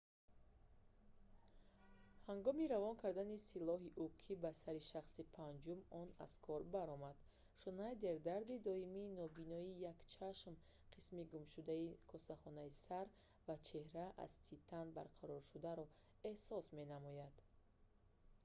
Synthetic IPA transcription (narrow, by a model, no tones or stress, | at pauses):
haŋɡɔmiɾavɔnkʰaɾd̪anisilɔɦiʔukʰibasaɾiʃaχsipʰand͡ʒumɔna̰z̥kʰɔɾbaɾɔmad̪̥ | ʃunad̪e̞ɾd̪aɾd̪id̪ɔimiːnɔbinɔijakt͡ʃʰaʃm | qʰismiɡumʃud̪aikʰɔsaχɔnaisaɾ | vat͡ʃʰehɾaʔa̰zt̪ʰit̪ʰːanba̰ɾqʰaɾɔɾʃud̪aɾɔ | e̞hsɔsme̞namɔjad̪̥